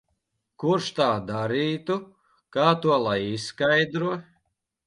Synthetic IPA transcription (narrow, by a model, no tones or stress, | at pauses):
kuɾʃt̪aːd̪aɾiːt̪u | kaːt̪uɔlˠajisːkajd̪ɾuɔ